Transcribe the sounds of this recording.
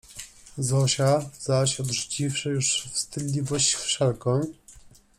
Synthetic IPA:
zɔɕazaɕɔd̪ʐut͡ɕifʂɘjuʂfst̪ɘd̪lʲivɔɕt͡ɕfʂɛlkɔ̃w̃

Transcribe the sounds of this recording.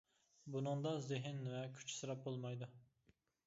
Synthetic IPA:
bunɨŋd̪ɑzɪɦɪnvɛkʲʰy̥t͡ʃʰi̥sɨɾɑp̚bolˠmɑjd̪u

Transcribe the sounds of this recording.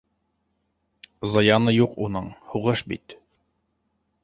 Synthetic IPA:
zɑjɑnɤjuqunɤɴhuʁɤʃbḭt̪

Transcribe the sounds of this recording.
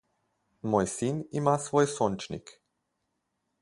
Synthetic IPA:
mojsinimasvojsont͡ʃnḭk

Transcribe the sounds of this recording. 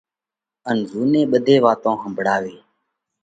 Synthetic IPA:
ənzuːneːɓəd̪ʱeːʋaːt̪õːɦəmbʱəɽaːʋeː

